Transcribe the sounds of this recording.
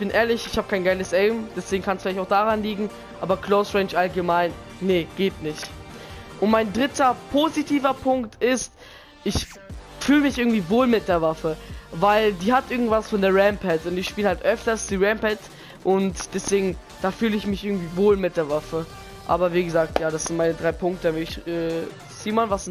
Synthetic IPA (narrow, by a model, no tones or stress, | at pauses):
ɪçb̥ɪnʔeːɐlɪçɪçhaːbəkʰaɪnɡaɪləsɛɪmd̥ɛsv̥eːɡŋ̩kʰansflaɪtaʊxd̥aːʁanliːɡŋ̩ | ʔa̰ːbɐkʰlosʁɛ̃ːnt͡ʃʔalɡəmaɪnːəɡ̥eːtnɪçtʔʊntmaɪndʁɪtɐpʰozitʰiːvɐpʰʊŋktɪst | ʔɪç | fyːləmɪçʔɪɐɡŋ̩tv̥iːvoːlmɪt̚d̥eːɐvafəvaɪldiːhatʔɪɐɡŋ̩tv̥asfɔndeːɐʁɛmpʰɛtʊntɪçʃpiːləhaltʔœftɐsd̥iːʁɛmpɛt | ʔʊntd̥ɛsv̥eːɡŋ̩ | d̥aːfyːləɪçmɪçʔɪɐɡŋ̩tv̥iːvoːlmɪt̚d̥eːɐvafə | ʔa̰ːbɐviːɡəzaːk̚tjaːɾasz̥ɪntmaɪnədʁaɪpʰʊŋktəvɛɪçɛː | z̥iːmɔnvas